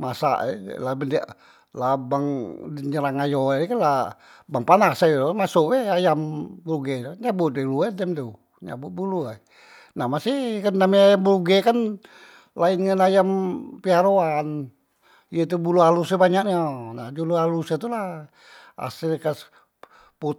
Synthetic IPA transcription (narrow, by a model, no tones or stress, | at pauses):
masa̰ʔɛ̰labəndia | labaŋdiɲəɾaŋajoɛkanla | baŋpanasajmasuʔwɛajambəɾuɡɛɲabut̪̚wɛluɛdɛmt̪u | ɲa̰but̪̚bulua | nahmasikandamiajambuɾuɡɛkan | lainŋanajampiaɾoan | ijet̪ubulualusɛbaɲakɲanad͡ʒulualusat̪ula | a̰sikas | pu